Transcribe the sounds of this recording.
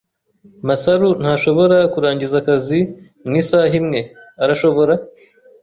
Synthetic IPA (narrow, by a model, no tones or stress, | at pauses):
masaɾun̥haːʃo̞βo̞ɾakuɾaːɲɟizakazi | mŋiːsaːɦimŋe̞aɾaʃo̞βo̞ɾa